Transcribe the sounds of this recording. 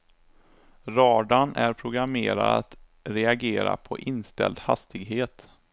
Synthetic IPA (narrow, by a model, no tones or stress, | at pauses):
ɾɑːɖ̪anæɾpʰɾʊɡɾameːɾad̪at̪ | ɾɛaɡeːɾa̰pʰɔ̰ʔɪnst̪ɛ̰ld̪ha̰st̪ɪɡɦeːt̪